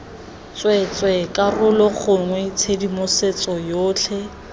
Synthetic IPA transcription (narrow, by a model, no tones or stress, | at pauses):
t͡swɛt͡sʼwɛkʼarʊlɔχʊŋwɛt͡sʰedimʊset͡sɔjoːt͡ɬʰɛ